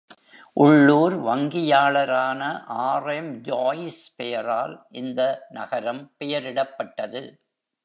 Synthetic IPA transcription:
ʔʊɭːuːɾʋɐŋɡɪjaːɭɐɾaːnɐʔaːrɐmd͡ʒoːjɪspɛjɐɾaːlʔɪnd̪ɐnɐ̰ɣɐɾɐmpɛjɐɾɪɽɐpːɐʈːɐðɯ

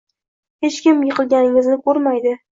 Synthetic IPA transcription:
he̞t͡ʃkʲɪmjɪqʰɨlˠɡʲanɪŋɪznɪkʰɵɾmajd̪ɪ

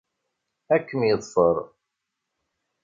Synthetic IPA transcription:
ækːəmjəðˤfəɾˤ

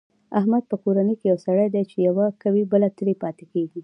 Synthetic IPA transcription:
ahmad̪̚pəkoɾanəjkejawsaɽajd̪ajt͡ʃejawakawibəlat̪əɽepɑt̪ekeɡi

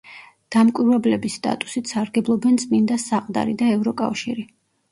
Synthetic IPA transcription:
d̪̥amkʼwiɾvɛblɛbist̪ʼa̰t̪ʼu̥sit̪saɾɡɛblˠɔbɛnt̪sʼmind̪asaqʼd̪a̰ɾḭd̪aɛvɾɔkʼa̰fʃiɾi

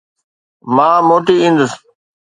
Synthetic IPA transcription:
mãːmoːʈiĩːnd̪əs

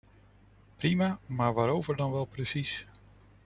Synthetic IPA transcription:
primamaːɹʋaːɾowvəɹdɑnʋɛlˠprəsis

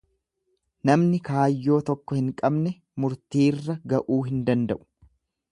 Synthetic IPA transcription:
nɐmnɪkaːjːo̞ːt̪ɔkːɔhɪŋkʼɐbnɛ | mʊɾt̪iːrːɐɡɐʔuːɦɪnd̪ɐnd̪ɐʔʊ̥

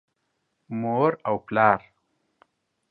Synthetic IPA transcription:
moːɾawplɑːɾ

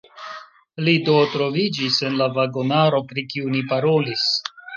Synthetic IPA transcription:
lidotɾo̞vid͡ʒise̞nlavaɡonaɾo̞pɾikiunipaɾo̞lis

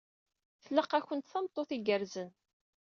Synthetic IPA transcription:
θələqæçənt̪θəmt̪ˤːoθiɡəɾzən

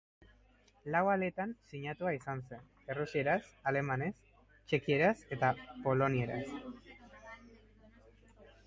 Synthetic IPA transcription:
lawale̞t̪ansiɲat̪uaisanse̞n | e̞rusie̞ɾasale̞mane̞s | t͡ʃe̞kie̞ɾase̞t̪apo̞lo̞nie̞ɾa̰s

